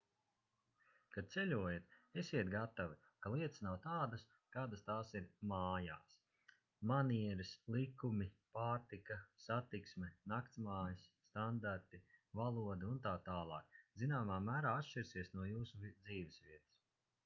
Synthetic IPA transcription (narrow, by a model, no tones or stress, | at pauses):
kad̪̚t̪selʲuɔjat̪esiɛt̪ɡat̪avi | kalˠiɛt̪ə̥snawt̪aːd̪ɐs | kaːd̪əst̪aːsiɾmaːjaːs | maniɛɾislˠikumʲipaːɾt̪ikasat̪iksmɛnakt̪smaːjisːt̪and̪aɾt̪ivalˠuɔd̪aunt̪aːt̪aːlˠɑːk̚zinaːmaːmæːɾaːat̪ʃt͡ʃiɾsiɛsnuɔjuːsuvd̪ziːvesvʲiɛt̪ɐ̥s